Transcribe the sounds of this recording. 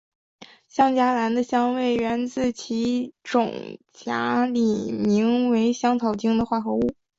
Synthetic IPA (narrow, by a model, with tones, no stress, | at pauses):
ɕjɑ˥ŋt͡ɕja˥la˧˥nd̪ə˧ɕjɑ˥ŋwe˥˩ɪɥɛ˧˥nt͡sɹ̩˥˩t͡ɕʰi˧˥ʈ͡ʂʊ̰˨˩ŋt͡ɕja̰˧˥li˨˩mi˧˥ŋwe˧˥ɪɕjɑ˥ŋt͡s̪ʰɑ˨˩ʊt͡ɕi˥ŋd̪ə˨xwa˥˩xɤ˧˥u˥˩